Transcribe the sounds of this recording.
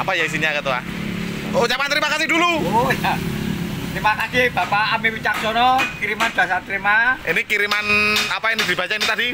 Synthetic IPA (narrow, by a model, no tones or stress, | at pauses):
apajais̬iɲakat̪ua̰ | out͡ʃapant̪ɾimakasiduluojat̪ɾimakakib̥apaamipit͡ʃak̚sɔnɔkiɾimand̥a̤sat̪ɾimaʔinikiɾimanapainid̪̥i̤bat͡ʃainit̪adi